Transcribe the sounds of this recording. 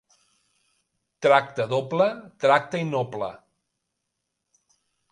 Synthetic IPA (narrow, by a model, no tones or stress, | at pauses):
t̪ɾak̚t̪əðoplət̪ɾak̚t̪əinɔplə̰